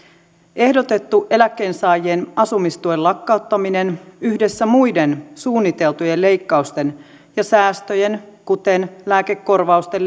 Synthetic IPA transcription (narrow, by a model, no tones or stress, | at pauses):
ʔe̞hdo̞t̪e̞t̪ːuʔe̞lækːeːnsɑːjienɑsumist̪uelɑkːɑut̪ːɑmine̞nyhde̞sːæmujde̞nsuːnːit̪e̞lt̪uje̞lle̞jkːɑust̪e̞n | jɑsæːst̪øje̞nkut̪e̞nlæːke̞kːo̞rʋɑust̪el